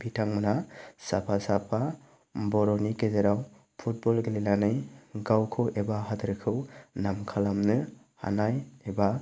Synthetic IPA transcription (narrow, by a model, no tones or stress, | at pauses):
bʱitʰaŋmɯnasapʰasapʰa | bɔɾɔnikezeɾaw | pʰut̚bɔlɡelelanɯjɡawkʰɯwebaɦadɯɾkʰɯwnamkʰalamnɯ | ha̰najeba